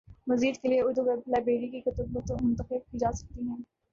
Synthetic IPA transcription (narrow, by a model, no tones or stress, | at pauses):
mɐziːd̪kelieʊd̪uɡlaːbeːɾikikʊt̪ʊbət̪õmʊ̃nt̪əxɪb̚kiːd͡ʒaːsɐ̥k̚t̪iɦɛ̃ː